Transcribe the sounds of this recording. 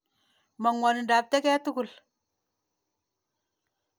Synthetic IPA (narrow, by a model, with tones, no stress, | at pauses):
ma˨ŋwa˨n˨da˨b̚te˦ke˦tu˦ɡu˨l